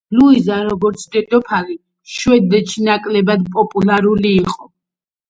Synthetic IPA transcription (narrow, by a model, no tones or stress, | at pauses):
luizaɾɔɡɔɾt̪sʰd̪ɛd̪ɔpʰali | ʃwɛd̪ɛt͡ʃʰinakʼlɛbad̪pʼɔpʼulaɾuliːqʼɔ